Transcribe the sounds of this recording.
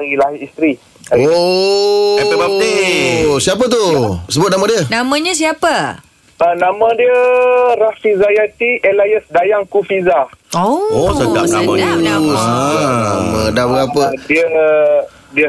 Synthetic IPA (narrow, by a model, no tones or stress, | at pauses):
aɣilaɦiist̪ɾi | ao | ɛaisiap̬ət̪usəbʊt̪̚namãdiənamãɲãs̬iapə | ənamãdiərahfizajat̪iʔɛlajəsdajaŋkufizaoosaɡaaasamədabəɡapədiə | diə